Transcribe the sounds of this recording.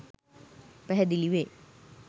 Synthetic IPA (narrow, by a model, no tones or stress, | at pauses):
pɐɦɐd̪iliʋe